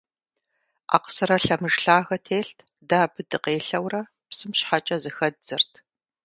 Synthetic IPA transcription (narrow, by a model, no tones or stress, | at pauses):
a̰ːqsɨɾɐɬɐmɨʒɬaːɣɐtʰeːɬtʰdaːbɨdɨqeːɬɐwrɐ | psɨmɕħat͡ʃʼɐzɨxɐd̚z̥ɐrtʰ